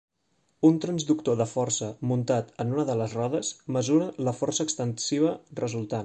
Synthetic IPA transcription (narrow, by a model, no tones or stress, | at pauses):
unt̪ɾənzðukt̪oðəfɔrsəmunt̪at̪ənunəðələzrɔðəsməzuɾələfɔrsəːkst̪ənsiβ̞ərəzulˠt̪an